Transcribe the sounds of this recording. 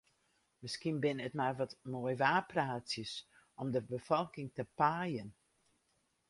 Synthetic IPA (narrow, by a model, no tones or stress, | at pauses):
mɪskinbɪnətmarʋɔtmoəjʋaːpraːsjəs | ɔmdəbəfɔlˠkɪŋtəpaːjən